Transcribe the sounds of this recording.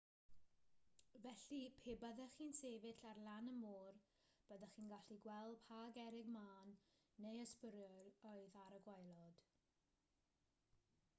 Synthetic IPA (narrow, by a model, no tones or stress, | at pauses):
vɛɬipʰeːbəðɛχiːnseːvɪɬarlanəmoːr | b̥əðəχiːnɡaɬiɡwɛlˠpʰaːɡɛɾɪɡmaːnː | ejəspəɾjɔlɔɨðaɾəɡwajlˠɔd̥